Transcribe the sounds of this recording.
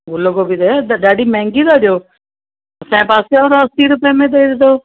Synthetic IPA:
ɡʊləɡobid̪eɗaːɖiːmɛ̃ːŋɡiːd̪aːd͡ʒoː | sɛ̃ːpaːseoːɾəsiːɾʊpjamẽːd̪eːɾd̪oː

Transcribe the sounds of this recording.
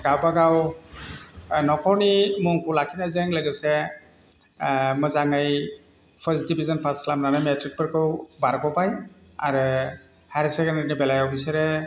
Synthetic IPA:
ɡ̥awbaɡaw | nɔkʰɔwnimuŋkʰulakʰinazeŋləɡɯse | mɯzaŋɯj | pʰəsdibʱizɔnpʰaskʰlamnanɯmetɾik̚pɯɾkʰɯwbaɾkɔpajaɾɯ | haɾisekendanibɛlajɔpʰisaɾe

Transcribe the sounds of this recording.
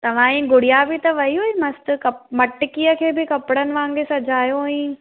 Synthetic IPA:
t̪ɐʋ̤ãːĩɡʊɽijabɪt̪ɐʋɐɦiɦoimɐst̪ɪkɐmɐʈɪkijəkʰeːbɪkɐpɪɽənɪ̆ʋãːŋɡesɐd͡ʑʱaːjoɛ̃ː

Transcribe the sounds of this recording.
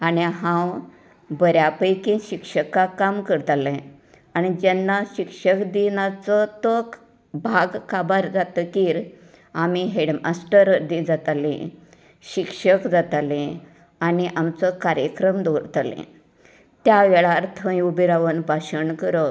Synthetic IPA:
aniɦãw | bəɾjapəjkĩɕikʂəkakamkəɾt̪alɛ̃ | añid͡ʑɛnːaɕikʂəkd̪inat͡sət̪ək | bʱaɡkabaɾd͡zat̪əkiːɾ | amiɦeɽmasʈəɾəd̪ĩd͡zat̪alĩ | ɕikʂəkd͡zat̪alẽ | aniʔamt͡səkaɾjəkɾəmd̪oɾt̪alḛ̃ | t̪jaʋeɭaɾt̪ʰə̃jubiɾaʋənbʱaɕəɳkəɾə

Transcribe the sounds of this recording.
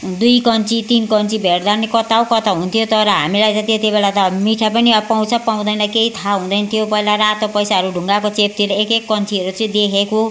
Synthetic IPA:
d̪ujkʌnt͡sit̪inkʌnt͡sibʱeɽd̪anekʌt̪awkʌt̪aɦũnt̪ʰijot̪ʌɾʌɦa̰milajt͡sʌ̃t̪et̪ibelat̪ʌmiʈʰapʌniʌpaw̃t͡sʰʌpaw̃d̪ʌjnʌkeɦit̪ʰaɦũd̪ʌjnt̪ʰijopʌilaɾat̪opʌjsaɦʌɾuɖʱuŋɡakot͡sep̚t̪iɾʌekekːʌnt͡siʌɾut͡sʌĩd̪ekʰeko

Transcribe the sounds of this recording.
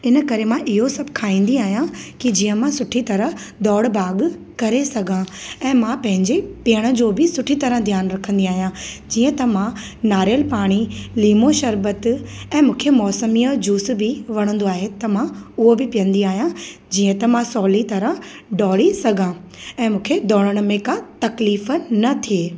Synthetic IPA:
ɪnə̆kɐɾemãʔɪɦosɐbkʰaːĩːn̆d̪iaːɦijãkid͡ʑiːə̃mãsʊʈʰit̪ɐɾəɦ | d̪ɔːɽbaːɡ | kɐɾesɐɡʱãɛ̃ːmãpɐ̃ɦɪ̃ɲd͡ʑepijəɽ̃ə̆d͡ʑoːbɪsʊʈʰit̪ɐɾə̃d̪ʱijaːnɾɐkʰə̃n̆d̪iaːɦijãd͡ʑiːə̃t̪ɐmã | naːɾjəlpaːɽ̃iliːmoʃɐɾbət̪ɛ̃ːmũːkʰemɔːsəmiːəd͡ʑuːs̆bɪʋɐɽ̃ə̃nd̪oaːɦet̪ɐmãʊɦobɪpijə̃nd̪iaːɦijãd͡ʑiːə̃t̪ɐmãsɔːlit̪ɐɾə̃ | ɖɔːɽisɐɡʱã | ɛ̃ːmũːkʰed̪ɔːɽəɽ̃mẽkãt̪ɐkliːfnɐt̪ʰieː

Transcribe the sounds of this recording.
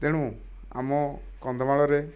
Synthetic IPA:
t̪ɛɽ̃ũ | a̰mɔ | kɔnd̪ɔmaɭɔɾe

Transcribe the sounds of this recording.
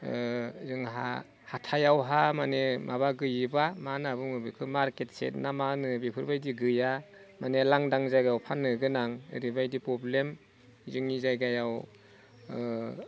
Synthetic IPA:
zɯŋɦa̰ | hatʰajawɦamanemʔaβaɡɯjɯbamanabumɯbɯkʰɯmaɾket̚sḛt̚namanɯbipʰɯɾbajdiɡɯja | manelaŋdaŋzajɡajawpʰanɯɡɯnaŋ̰ɾibajdipɾɔblem | zɯŋizajɡajaw

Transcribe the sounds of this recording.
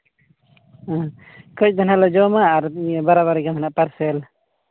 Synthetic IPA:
kət͡ʃ̚d̪ənalɔd͡ʒɔmaːɾbaɾaβaɾɡamʰanaʔpaɾsɛl

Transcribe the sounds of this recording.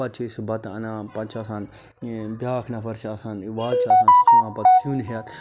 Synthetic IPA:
ɐt̪̚t͡ʃʰiisbɐt̪ɐ̰nãːpɐt͡ʃʰɐsãːn | bjaːkʰnɐpʰɐɾt͡ʃʰiɐsãːniʋaːt͡ʃʰɐsãːnst͡ʃʰumãːpɐt̪suːnɦijɐt̪

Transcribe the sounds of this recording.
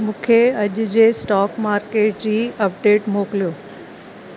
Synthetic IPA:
mũːkʰeɐʄʊd͡ʑeːsʈaːkmaːɾkeːʈ̚d͡ʑiːɐpɖeːʈmoːklijoː

